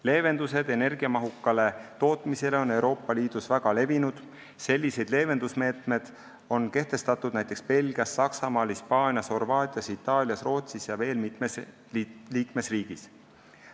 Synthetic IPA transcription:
le̞ːve̞nd̪̥use̞d̪̥e̞ne̞rɡ̥iɑmɑɦukːɑle̞t̪o̞ːt̪ːˑmise̞le̞o̞ne̞wɾo̞ːpːˑɑliːd̪̥usvæɡ̥ɑle̞vinud̪̥ | se̞lʲːise̞jd̪̥le̞ːve̞nd̪usme̞ːt̪ˑme̞d̪̥ | o̞nke̞ht̪e̞st̪ɑt̪ːˑud̪næjt̪ːˑe̞kspe̞lɡiɑsːɑksɑmɑːlhispɑːnʲjɑsho̞rvɑːt̪ʲˑiɑsit̪ːˑɑːlʲjɑsro̞ːt̪sisjɑve̞ːlmit̪mes | liːkme̞sriːɡ̥is

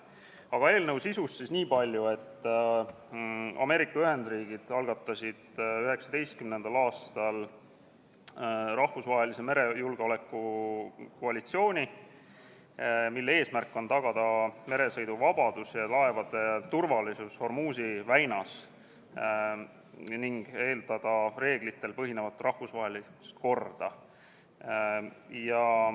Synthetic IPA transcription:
ɑɡ̥ɑe̞ːlnɤwsisusːisniːpɑlʲjue̞t̪ː | ɑ̰me̞ːɾikːˑɑyɦe̞nd̪̥riːɡ̥id̪̥ɑlɡ̥ɑt̪ˑːɑsid̪̥yɦe̞ksɑd̪e̞jst̪̚kymnend̪̥ɑlɑːst̪ɑl | rɑhvusvɑːɦe̞lise̞me̞ɾe̞julɡ̥eo̞le̞kːˑu | ko̞ɑlit̪sio̞ːnʲi | milːee̞ːsmærkːˑo̞nt̪ɑɡ̥ɑd̪̥ɑme̞ɾe̞sɤ̞jd̪uvɑb̥ɑd̪̥usjɑlɑe̞vɑd̪̥e̞t̪urvɑlisusho̞rmuːs̬ivæjnɑs | niŋɡ̥e̞ːld̪ɑd̪̥ɑre̞ːɡ̥lit̪ːˑe̞lpɤɦine̞vɑt̪ːrɑhvusvɑɦe̞list̪ko̞rd̪̥ɑ | jɑ

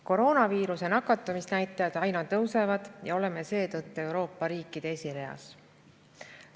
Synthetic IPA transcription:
ko̞ɾo̞ːnɑviːɾuse̞nɑkːˑɑt̪ːˑɑmisnæjt̪ːˑɑjɑd̪̥ɑjnɑt̪ɤwse̞vɑd̪̥jɑo̞le̞me̞se̞ːt̪ɤt̪ːue̞wɾo̞ːpːɑɾiːkːˑid̪̥e̞esʲiɾe̞ɑ̰s

